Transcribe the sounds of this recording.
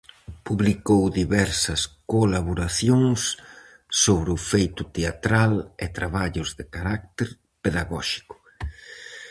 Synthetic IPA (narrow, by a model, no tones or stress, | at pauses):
puβlikowðiβɛɾsɐskolaβoɾaθjoŋsː | oβɾɪʊfejt̪ʊt̪eat̪ɾalɪt̪ɾaβaʎʊzðɪkaɾak̚t̪eɾ | peðaɣɔʃi̥kʊ̥